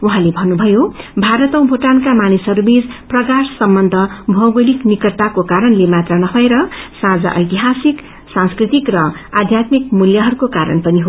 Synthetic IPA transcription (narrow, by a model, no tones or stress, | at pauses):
uɦãlebʱʌnːubʱʌjobʱaɾʌt̪ʌ̃w̃bʱoʈankamanisɦʌɾubid͡zprʌkassʌmbʌnd̪ʱʌbʱʌwɡʌliknikʌrt̪akokaɾʌnlemat̪rʌnʌpʰʌeɾʌsãd͡za̰ʔʌ̰jt̪iɦasik | sãnskrit̪ikrʌad̪ʱjat̪mikmuljʌɦʌɾukokaɾʌ̰npʌniɦo